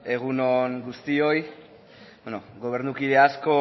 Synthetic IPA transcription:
e̞ɣ̞unoŋɡust̪io̞j | benoɡo̞β̞e̞ɾnukiðe̞asko̞

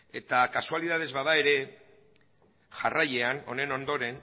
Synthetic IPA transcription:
e̞t̪akasualið̞að̞e̞zβaðae̞ɾe̞ | ʝaraje̞ano̞ne̞no̞nd̪o̞ɾe̞n

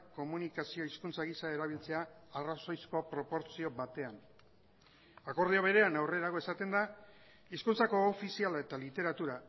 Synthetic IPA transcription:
ko̞munikasio̞iskunt͡saɣisae̞ɾaβ̞ilt͡se̞aːraso̞jsko̞pɾo̞po̞ɾsio̞βat̪e̞an | ako̞ɾð̞eoβ̞e̞ɾe̞anawre̞ɾaɣ̞o̞e̞sat̪e̞nd̪a | iskunt͡sako̞ːfisialae̞t̪alit̪e̞ɾat̪uɾa

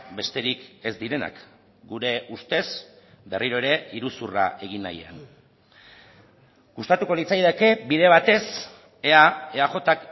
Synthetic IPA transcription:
be̞st̪e̞ɾike̞zd̪iɾe̞na̰k | ɡuɾe̞ust̪e̞sbe̞riɾoeɾe̞iɾusura̰ʔe̞ɣ̞ina̰ja̰n | ɡ̥ust̪at̪uko̞lit͡sajðeke̞biðe̞βat̪e̞s | e̞ae̞aʝo̞t̪ak

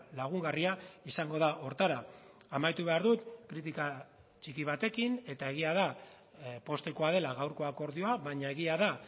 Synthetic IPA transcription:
laɣ̞uŋɡariaisaŋɡo̞ðaʔo̞ɾt̪aɾa | amajt̪uβ̞e̞aɾðut̪kɾit̪̬ika | t͡ʃikiβat̪e̞kine̞t̪ae̞ɣ̞iaða | po̞st̪e̞ko̞að̞e̞laɣawɾko̞ako̞ɾðio̞aβaɲae̞ɣiaða

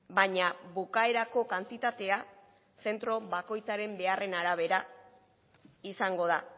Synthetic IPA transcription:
baɲaβukae̞ɾako̞kant̪it̪at̪e̞a | se̞nt̪ɾo̞βako̞jt͡saɾe̞mbe̞are̞naɾaβ̞e̞ɾa | isaŋɡo̞ð̞a

